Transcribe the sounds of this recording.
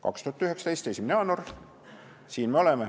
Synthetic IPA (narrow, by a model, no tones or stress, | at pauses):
kɑ̰kst̪uhɑt̪ːyɦeksɑ̥t̪e̞jst̪e̞sʲimæneɑːnor | siːnme̞o̞leme